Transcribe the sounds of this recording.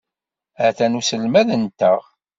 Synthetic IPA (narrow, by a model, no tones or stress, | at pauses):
æθænusəlmæðənt̪əʁ